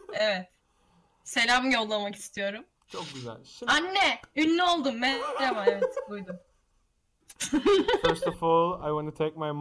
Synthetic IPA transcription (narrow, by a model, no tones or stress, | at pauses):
evɛt̪ | se̞lʲaːmɯjo̞lˠːamaki̥st̪ʰijo̞ɾum | t͡ʃʰok̚ɟyzæ̰lʲanːɛynːyo̞lˠd̪umːɛd̪emaevɛt̪bujd̪um | fɛɾst̪ɔfɔlˠajwɑ̃ntutʰek̚majm